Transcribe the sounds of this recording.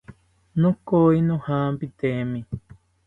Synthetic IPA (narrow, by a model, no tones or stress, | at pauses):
nõkoinõhãːmpit̪emĩ